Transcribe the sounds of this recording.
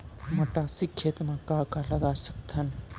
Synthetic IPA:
mɐʈasikʰːet̪mãkaːkalad̪asək̚t̪ʰɐn

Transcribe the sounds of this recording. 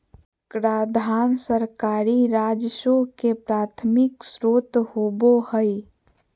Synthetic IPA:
kɾaːd̪ʱaːnsəɾkaːɾiɾad͡ʒʃokepɾaːt̪ʰmɪksɾoːt̪hobohəi

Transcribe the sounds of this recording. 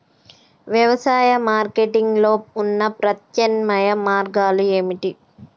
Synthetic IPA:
ʋjɐʋɐsaːjɐmaːɾkeʈiŋɡlo̞ːunːɐpɾɐt̪jɐnmɐjɐmaːɾɡaːlueːmiʈi

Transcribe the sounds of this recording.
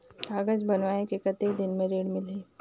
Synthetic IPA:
aːɡəd͡ʒbɐnʋaːnekekət̪ekd̪ɪnmẽɾeːɽmɪlɦeː

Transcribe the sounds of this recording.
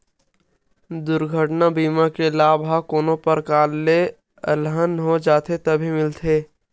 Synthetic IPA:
d̪ʊɾɡʱəʈnabiːmakelaːbʱɦakoːnopəɾkaːlːe | əlɦənɦod͡ʒaːt̪ʰet̪əbʱimɪlt̪ʰe

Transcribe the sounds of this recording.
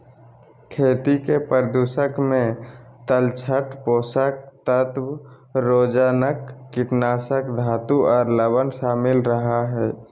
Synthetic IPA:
kʰeːt̪ikepəɾd̪uːsəkmẽt̪əlt͡ʃʰəʈpoːsək̚t̪ət̪w | ɾoːd͡ʒaːnəkːɪʈnaːsəkd̪ʱaːt̪uʔɔːɾləbənʃaːmɪlɾəɦaɦɛː

